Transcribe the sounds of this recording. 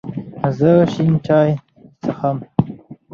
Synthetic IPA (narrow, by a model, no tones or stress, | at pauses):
zəʃinʈ͡ʂɑːj | t͡səxam